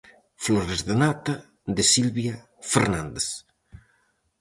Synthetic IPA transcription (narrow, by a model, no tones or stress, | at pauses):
floɾezðenat̪a | ðesilβja | feɾnãnd̪es